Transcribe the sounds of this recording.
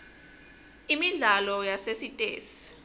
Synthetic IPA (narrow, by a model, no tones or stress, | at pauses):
imiɮalɔjasesitʼḛːsi̥